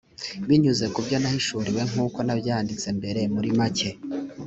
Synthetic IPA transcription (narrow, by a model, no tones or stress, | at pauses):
βiɲuze̞kubɟo̞nahiʃuɾiwe̞ŋ̥uːko̞nabjaːndit͡se̞mbe̞ɾe̞muɾimace̞